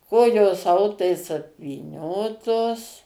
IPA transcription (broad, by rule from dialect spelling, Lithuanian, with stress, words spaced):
ˈkoːjoːs ˈɐʊtɐɪs ɐpʲʋʲiːˈnʲoːtoːs